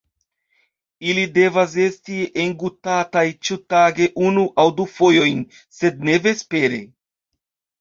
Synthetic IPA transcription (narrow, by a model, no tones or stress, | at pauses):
ilide̞vas̬e̞stieŋɡutatajt͡ʃutaɡe̞ʔunuʔawdufo̞jo̞jn | se̞d̚ne̞ve̞spe̞ɾe̞̰